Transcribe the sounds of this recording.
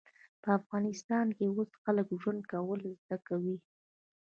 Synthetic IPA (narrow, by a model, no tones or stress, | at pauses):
pəafɣɑnɪst̪ɑnkeosxaləkʒwand̪̚kawəlzd̪akawi